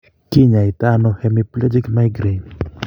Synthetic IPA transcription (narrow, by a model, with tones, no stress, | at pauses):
ki˦ɲa˨i˨t̪a˦nohɛ˦miplɛ˦d͡ʒi˦kma˦jɡɾe